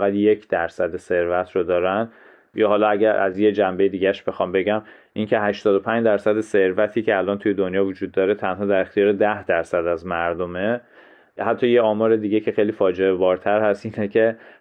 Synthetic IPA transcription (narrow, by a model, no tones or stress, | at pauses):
ɣæd̪jecʰd̪̥æɾsæd̪ese̞ɾvæt̪ʰɾod̪ɒːɾæn | jɒːɦɒːlɒæɟæɾʔæ̰zjed͡ʒæmbe̞jed̪iːɟæʃb̥exɒːmbe̞ɟæm | ʔiŋcʰe̞ɦæʃt̪ɒːd̪o̞pʰæɲd͡ʒd̪æɾsæd̪ese̞ɾvæt̪ʰiːcʰeælʔɒːnt̪ʰuje̞d̪onjɒːvod͡ʒuːd̪ːɒːɾet̪ʰænɦɒːd̪æɾe̞xt̪ijɒːɾed̪æhd̪æɾsæd̪æzmæɾd̪o̞me | hæt̪ʰːɒːje̞ɒːmɒːɾe̞d̪iːɟecʰe̞xejliːfɒːd͡ʒeebɒːɾt̪ʰæɾhæst̪ʔiːnecʰe